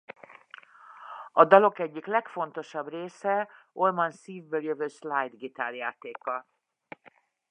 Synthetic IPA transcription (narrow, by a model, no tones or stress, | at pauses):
ɒd̪ɒlo̞kɛɟːiklɛkfo̞nt̪o̞ʃɒbreːsɛolmɒnsiːvbøːljøvøːʃlajd̪ɡit̪aːljaːt̪eːkɒ